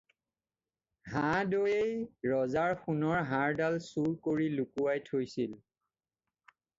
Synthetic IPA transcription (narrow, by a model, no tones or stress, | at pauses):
ɦãdojejɹɔzaɹxunɔɹɦãɹdalsuɹkoɹilukuwajtʰojsil